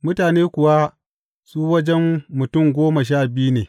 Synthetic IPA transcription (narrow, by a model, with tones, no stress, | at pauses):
mʊ˦taː˨neː˦kʷʊ˨wa˦ | suː˦wɐ˦d͡ʒɛ˦mːʊ˨tʊ˦˨mɡʷoː˦mɐ˨ʃ̬aː˦˨bɪ˦ju˦neː˨